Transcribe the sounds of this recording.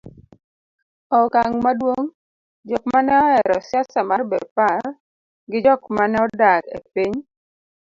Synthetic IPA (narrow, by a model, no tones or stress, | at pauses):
ɔkaŋmadwoŋ | d͡ʒɔk̚manɛɔɛɾɔsjasamarbḛdpar | ɡɪd͡ʒɔkmanɛɔdakḛpiɲ